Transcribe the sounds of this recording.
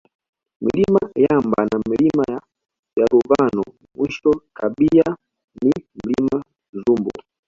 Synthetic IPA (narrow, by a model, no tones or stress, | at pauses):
mḭlimajambanamilimaja | jaluvanɔ | mwiʃɔtʰabia | nim̩lima | zumbṵ